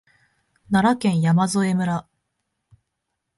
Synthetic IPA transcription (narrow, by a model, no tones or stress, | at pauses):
naɾakẽ̞ɰ̃jamazoe̞mɯ̟ɾa